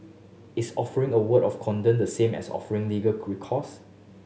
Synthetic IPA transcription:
ɪsɔfəɹɪ̃ŋəwətɔfkʰɔ̃ndə̃ndəsẽmɛ̰sɔ̰fəɹɪ̃ŋliɡəkʰɹikʰɔs

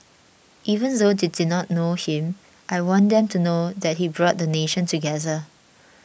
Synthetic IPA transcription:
ʔivə̃ndodididnɔt̚nohĩm | ʔajwɔ̃ndɛ̃mtunodɛt̚hibɹɔt̚dəneʃə̃ntuɡɛðə

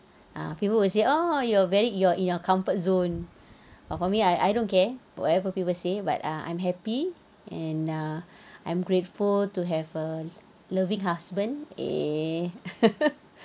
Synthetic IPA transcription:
ʔa̰pipəlwis̬eʔojuɔvɛɹijɔʔĩnakʰãmfət̚zõn | fɔfɔmiajʔa̰jdõnkɛwɔ̰tɛvəpipəlseba̰taã̰j̃mɦɛpi | ʔɛ̃na | ãj̃mɡɹetfultuɦɛvə | ləvĩŋɦasbə̃ndḛ

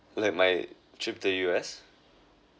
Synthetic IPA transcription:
lak̚maj | tʰɹip̚təjuɛs

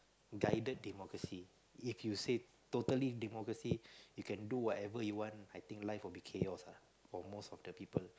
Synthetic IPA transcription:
ɡajdət̚dɛmɔkɹəsi | ifjuse | t̪otəlidɛmɔkɹəsijukʰɛ̃nduwɔtɛvəjuwɔ̃ntajt̪ĩŋklaɪfwilbikʰeɔsa | fɔmostɔfdəpipəl

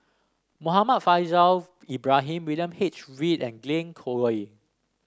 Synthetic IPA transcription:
moɦamat̚fajzal | ibɹaɦĩmwiljə̃mhit͡ʃɹidɛ̃nɡlẽnkʰoɹoj

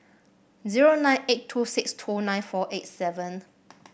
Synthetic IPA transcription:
ziɹonãjnetʰːusɪkstʰunãj̃nfɔʔet̚sɛvə̃n

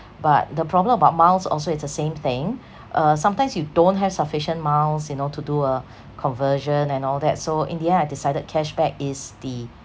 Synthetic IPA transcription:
bat̚dəpʰɹ̥ɔblə̃məbaʊt̚mãlsɔ̰lsoɪtsdəsẽmθɪ̃ŋ | ʔʌsãmtãɪmsjudõnt̚ɦɛv̥səfɪʃə̃nmalsjunotʰuduə | kʰɔ̃nvəʒə̃nɛ̃nɔlˠdɛ̰t̚soʔḭ̃ndiɛ̃ajdisaɪdəd̚kʰɛʃbɛkɪsdi

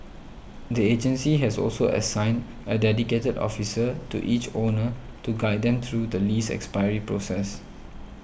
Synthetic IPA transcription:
died͡ʒə̃nsiɦɛsɔ̰lsoʔə̰sãɪ̃n | ədɛdiketədɔ̰fisətṵʔit͡ʃonə | tuɡaɪddɛ̃mt̪ʰɹudəlisɛ̰kspaɪəɹipɹosɛs

